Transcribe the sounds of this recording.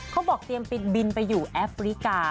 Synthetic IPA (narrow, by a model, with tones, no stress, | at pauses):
kʰa˦˥wbɔː˨˩k̚t̪i˧əmpi˨˩t̪̚bi˧npa˧jːuː˨˩ʔɛː˦˥fɾi˦˥kaː˧